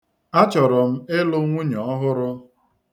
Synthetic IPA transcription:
a˦t͡ʃɔ˨ɾɔ˨m̩˦ɪ˦lʊ˦ŋʷu˦ɲɔ˨˦ɦʊ˦ɾʊ˦

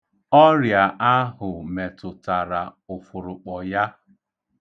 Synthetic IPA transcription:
ɔ˦ɾja˨a˦ɦʊ˨me˨tʊ˨ta˨ɾa˨ʊ˨fʊ˨ɾʊ˨k͡pɔ˨ja˦

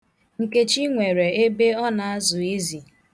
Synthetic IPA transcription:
ŋ̩˨ke˦t͡ʃi˦ŋʷe˨ɾe˨e˦be˦ɔ˦na˨a˦zʊ˨e˦zi˨

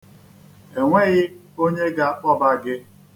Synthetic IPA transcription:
e˨ŋʷe˦ɣɪ˦ | o˦ɲe˦ɡa˦ɔ˦ba˦ɡɪ˦

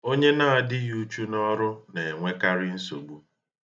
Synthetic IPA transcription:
o˦ɲe˦na˦a˨dɪ˦ju˨˦t͡ʃu˦nɔ˦ɾʊ˦ne˨e˨ŋʷe˦ka˦ɾɪ˦n̩˦so˨ɡ͡bu˦

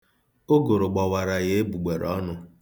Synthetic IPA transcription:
o˦ɡo˨ɾʊ˨ɡ͡bɔ˨wa˨ɾa˨ɣe˦e˦bu˨ɡ͡be˨ɾɔ˦nʊ˨

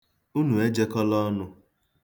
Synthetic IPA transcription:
u˦nu˨e˦d͡ʒe˦kɔ˦lɔ˦nʊ˦

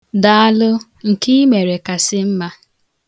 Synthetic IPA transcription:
da˦a˦lʊ˦ | ŋ̩˨ki˦me˨ɾe˨ka˨sɪ˦m̩˦ma˦

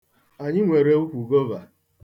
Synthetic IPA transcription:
a˨ɲɪ˦ŋʷe˨ɾe˦u˦kʷu˨ɡo˦va˨

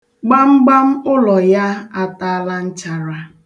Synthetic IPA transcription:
ɡ͡ba˦ŋ͡m̩˦ɡ͡ba˦m̩˦ʊ˦lɔ˨ja˦a˦ta˦la˦n̩˦t͡ʃa˨ɾa˨

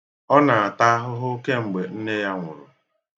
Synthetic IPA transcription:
ɔ˦na˨a˨ta˦a˦ɦʊ˦ɦʊ˦ke˦ŋ͡m̩˨ɡ͡be˨n̩˦ne˦ja˦ŋʷʊ̰˨ɾʊ˨

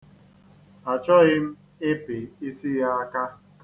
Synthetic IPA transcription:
a˨t͡ʃɔ˦ɣɪ˦m̩˦ | ɪ˦pɪ˨i˦si˦ɣa˦a˦ka˦

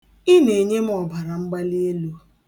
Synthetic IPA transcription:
ɪ˦ne˨ɲe˦m̩˦ɔ˨ba˨ɾa˨ŋ͡m̩˦ɡ͡ba˦li˦e˦lu˦

